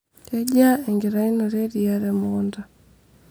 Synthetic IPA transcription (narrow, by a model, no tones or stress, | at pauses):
ɛɟaɛŋɡiɾainɔɾɛɾiaɾɛmɔnda